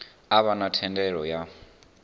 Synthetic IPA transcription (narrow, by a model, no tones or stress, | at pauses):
aβanatʰɛndɛɺɔja